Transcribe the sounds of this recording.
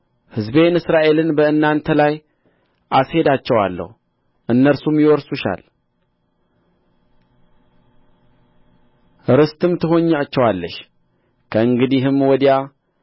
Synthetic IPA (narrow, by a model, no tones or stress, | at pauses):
hɨzbe̞nɨsɾaʔe̞lɨnbəɨnːant̪ʰəlaj | ʔashe̞d̪at͡ʃːɛwa̰lːə̰hu | ʔɨnːəɾsumjɪwɔɾsuʃa̰l | ʔɨɾɨst̪ɨmt̪ʰɨɦo̞ɲːat͡ʃːɛwalːəʃ | kʰəɨŋɡɨd̪iɦɨmwɔd̪ja